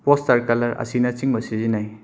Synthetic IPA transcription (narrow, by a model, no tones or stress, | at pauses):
pɔstaɾkɐlɐɾɐ̰sinɐt͡ʃiŋbɐsizinaj